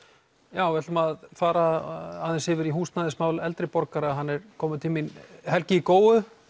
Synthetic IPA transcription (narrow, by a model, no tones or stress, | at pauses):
jaːwvɛt̪ʏmaðfaːɾaaðɛnshɪːvɪɾiɦuːst̪naðɪsmaːwlɛlt̪ɾɪpɔɾkaɾaɦanːɛɾkʰɔːmʏt̪ʰɪlminhɛlcɪikoːwʏ